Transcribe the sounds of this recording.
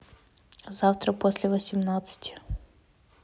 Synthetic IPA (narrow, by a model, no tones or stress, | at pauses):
zɑwt̪ɾɐpɔsʲlʲɛʋɔsʲimnɑt̪sə̥tʲɪ̥